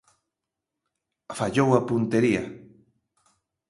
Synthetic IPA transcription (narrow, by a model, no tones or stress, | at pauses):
faʎowapunt̪eɾia̰